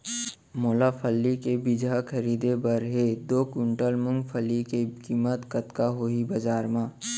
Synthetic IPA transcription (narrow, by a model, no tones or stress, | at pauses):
moːlapʰəlːikebɪd͡ʒʱakʰɐɾiːd̪ebəɾɦed̪oːkʊɳʈəlmʊ̃ŋɡfʰəlːikekiːmət̪kɐt̪kaɦoːibɐzaːɾmãː